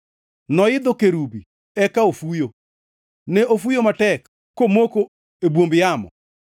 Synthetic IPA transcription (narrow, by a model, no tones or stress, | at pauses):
nɔɪd̪okeɾubi | ɛkaofujo | nɛʔofujomatɛkː | omoko | ebwombjamɔ̰